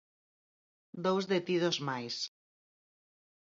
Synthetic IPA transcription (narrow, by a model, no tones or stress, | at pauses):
d̪owzðet̪iðozmajs